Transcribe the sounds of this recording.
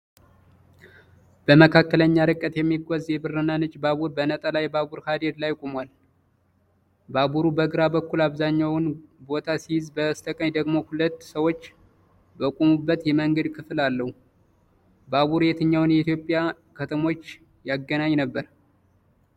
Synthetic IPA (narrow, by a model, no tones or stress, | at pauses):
b̥əməkʰakːələɲːaɾɨkʼːət̪jɛmːiɡozjɛbɨɾːɨnanɨt͡ʃʼbaβuɾbənət̪ʼəlajbaβuɾhad̪ed̪lajkʼomwal | baβuɾubəɡɾabəkːulaβzaɲːawnbo̞t̪ʰasijɪzbəst̪ʰəkʼəɲd̪əɡmo̞hulət̪ːsəwo̞t͡ʃː | bəkʷʼomubːət̪jɛməŋɡəd̪kʰɨflalːəhu | baβuɾjɛt̪ʰɨɲːawnjɛit̪jo̞pʼja | kʰət̪ʰəmo̞t͡ʃː | jaɡːənaɲnəbːəɾ